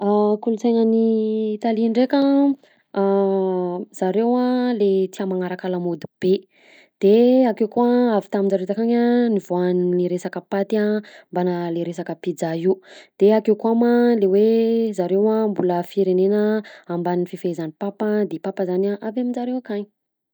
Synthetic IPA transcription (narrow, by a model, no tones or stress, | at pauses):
akulusajnənit̪aliɳɖ͡ʐekə | z̥aɾewalet̪iamaŋaɾakalamod̪ib̥e | d̪̥eakewkuaavi̥t̪amind͡zaɾet̪akaɲaniv̥oanniɾesakəpat̪iambanaleɾesakəpid͡zaiud̪̥eakewkuamalewezaɾewambuləfiɾenenəambaninififezanipapəd̪epapəzanaʔavamind͡ʒaɾewakaɲi